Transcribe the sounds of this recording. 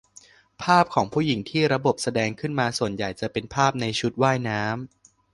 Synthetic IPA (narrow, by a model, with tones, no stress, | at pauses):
pʰaː˥˩p̚kʰɔː˩˦ŋpʰuː˥˩ji˨˩˦ŋt̪ʰiː˥˩ɾa˧bo˨˩p̚sa˧dɛː˧ŋkʰɯ˥˩nmaː˧su˨˩ənja˨˩jt͡ɕa˨˩pe˧npʰaː˥˩p̚na˧jt͡ɕʰu˦˥t̪̚waː˥˩jnaː˦˥m